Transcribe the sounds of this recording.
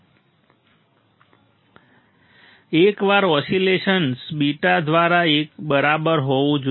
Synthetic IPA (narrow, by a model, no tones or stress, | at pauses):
ekʋaɾɔsileʃənsbiʈad̪ʋaɾaekbəɾabəɾɦoʋũd͡ʒ